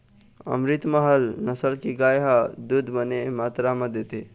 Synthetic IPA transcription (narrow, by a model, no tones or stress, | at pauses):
ə̰mɾit̪məɦəlnəsəlkiɡajɦəd̪ud̪ʱbənemat̪ɾaməd̪et̪i